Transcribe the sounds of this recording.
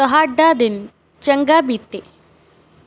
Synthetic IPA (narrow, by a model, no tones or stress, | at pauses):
əɦaɖːad̪in | t͡ɕəŋɡabit̪ːe